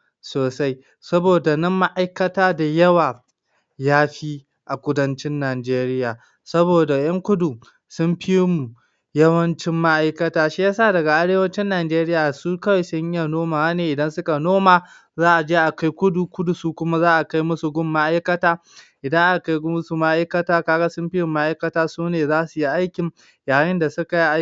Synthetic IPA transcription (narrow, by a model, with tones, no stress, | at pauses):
soː˨sa˦j | sɐ˦boː˨da˨nɐ˦mːa˦ʔa˦jkɐ˦taː˦da˨jɐ˦waː˨ | jaː˦ɸi˦ | ʔa˨kʷʊ˦dɐ˦nt͡ʃɪ˦nːaː˨d͡ʒeː˦ɾɪ˦jaː˨ | sɐ˦boː˨da˨jɐ˦ŋkʷʊ˦du˨ | sʊ˦mɸi˦mu˨ | jɐ˦wɐ˦nt͡ʃɪ˦mːa˦ʔa˦jkɐ˦taː˦ʃi˦jaː˦saː˦˨dɐ˨ɡa˨ʔa˦ɽeː˦wɐ˦t͡ʃɪ˦nːaː˨d͡ʒeː˦ɾɪ˦jaː˨su˦kɐ˦wa˨jsʊ˦ɲja˦˨noː˦maː˨˦neː˨ʔɪ˨dɐ˦nsʊ˦ka˨noː˦maː˨ | zaː˦ʔa˨d͡ʒeː˦ʔa˨ka˦jkʷʊ˦du˨kʷʊ˦du˨suː˦kʷʊ˦ma˦zaː˦ʔa˨ka˦jmʊ˦su˨ɡʷʊ˦mːa˦ʔa˦jkɐ˦taː˦ | ʔɪ˨dɐ˦ŋʔa˨ka˦ɡmʊ˦su˨ma˦ʔa˦jkɐ˦taː˦kaː˦ɡa˦sʊ˦mɸi˦jʊ˨mːa˦ʔa˦jkɐ˦taː˦suː˦neː˨zaː˦su˨ji˦ʔa˦jkʲɪ˨ŋ | jaː˨jɪ˦nda˨sʊ˦ka˨ji˦ʔa˦